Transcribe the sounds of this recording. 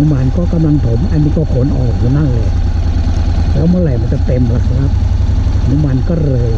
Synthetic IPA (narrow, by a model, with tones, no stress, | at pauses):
ɯ˦˥ma˧nkɔː˥˩ka˧mla˧ŋp̪ʰo˨˩˦mʔa˧nːiː˦˧˩kɔː˥˩kʰo˨˦nʔɔ̰ː˨˩k̚juː˧˦na˥˩ŋlɤː˧˩ | lɛː˦˥wmɯ˥˨ɾa˧˩ma˧˥nt͡ɕa˨˧˩t̪e˧mla˧˩kʰɾa˦˥p̚ | nuː˧˦˥ma˧nkɔː˥˩ɾɤː˧